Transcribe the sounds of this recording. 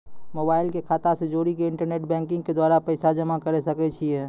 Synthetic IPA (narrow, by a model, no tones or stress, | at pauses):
mobaːɪlkekʰaːt̪ased͡ʒoːɾikeɪ̃ɳʈəɾneːʈ̚bɛ̃ːŋkɪ̃ŋɡked̪waːɾapəɪsad͡ʒəmakəɾesəkɛt͡ʃʰiɛ